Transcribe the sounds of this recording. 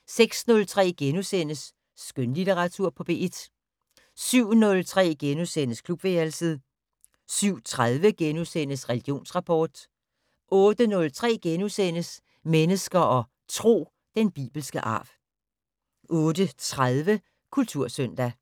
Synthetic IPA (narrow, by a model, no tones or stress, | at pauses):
seɡ̥snɔ̽lt͡sʰʁɛ̰ːɡ̥enusen̰əsː | ɡ̥ønlit͡seʁɑ̈t͡sʰuɐ̰pʰɒ̽b̥e̝ʔed̥ | syʊ̰nɔ̽lt͡sʰʁɛ̰ːɡ̥enusen̰əskʰlub̥ʋeælsið̩ˠ | syʊ̰t͡sʰʁað̞ˠʋəɡ̥enusen̰əsʁɛliɡ̥jo̝̰ːnsʁɑ̈pʰɒːd̥ | ʔɔ̽ːd̥ənɔ̽lt͡sʰʁɛ̰ːɡ̥enusen̰əs | menəsɡ̥ɐʔɒ̽ | t͡sʰʁo̝̰ː | d̥enb̥ḭːb̥l̩sɡ̥əʔɑ̰̈ːb̥ | ʔɔ̽ːd̥ət͡sʰʁaðˠʋə | kʰult͡sʰuɐ̰sœn̰d̥æ